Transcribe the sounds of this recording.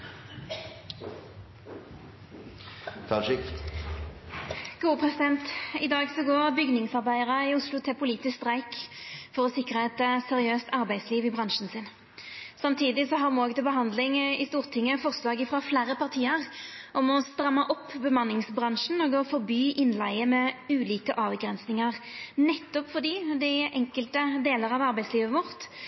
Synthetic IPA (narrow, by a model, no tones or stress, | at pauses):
kʰɑɪ | ɡ̥uːəpʰʁɛsɪd̪ɛnt̪ɪd̪ɑːɡsɔɡoːɾɑbʏɡnɪŋsɑʁbæɪəʁəɪʊslʊt̪ʰɪpʰʊliːt̪ɪskst̪ʁæɪkfɔʁɔsɪkːɾəɛt̪sɛʁɪøːst̪ɑɾbæɪd̪sliːʋɪbʁɑŋʃn̩sɪn | sɑmt̪ʰiːd̪ɪsɔɦɑɾmɔːɡət̪ɪlbəɦɑnd̪lɪŋɪst̪uːʁt̪ʰɪŋːəfɔʁslɑːɡɪfɾɑflæːɾəpɑʁt̪ʰiːəʁʔɔmɔst̪ɾɑmːəʔɔpːbəmɑnːɪŋsbʁɑŋʂn̩ɔɡɔfɔɾbyːʔɪnlæɪəmɛʉːliːkəʔɑːʋɡɾɛnsnɪŋəʁnɛt̪ːʊpfɔʁd̪iːd̪ɪɪʔɛŋkəlt̪əd̪eːləɾɑʋɑɾbæɪsliːʋəʋɔʁt̪